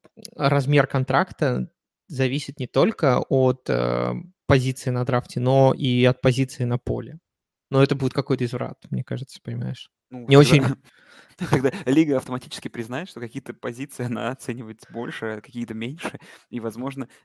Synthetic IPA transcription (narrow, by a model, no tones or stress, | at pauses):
ɾɐzmʲe̞rkɐnt̪ɾakt̪ə | zɐvʲisʲɪt̪nʲɪt̪o̞lʲkəʔot̪ə̰ | pɐzʲit̪sɨɪnɐd̪ɾaftʲɪno̞ʔiɐt̪̚pɐzʲit̪sɨɪnɐpo̞̰lʲɪ | noɛt̪əbudʲɪt̪̚kɐkojt̪əɪzvɾa̰t̪̚mnʲe̞kaʐɨt̪sə̥pənʲɪma̰jɪʂ | nunʲɪot͡ɕɪnʲ | t̪ɐɡd̪alʲiɡəɐft̪əmɐtʲit͡ɕɪ̥skʲɪpɾʲɪznajɪt̪ʂt̪okɐkʲijət̪əpɐzʲit̪sɨɪɐna̰ɐt̪sɛnʲɪvəjɪt̪bo̞̰lʲʂɨkɐkʲijət̪əmʲenʲʂɨivɐzmo̞ʐnə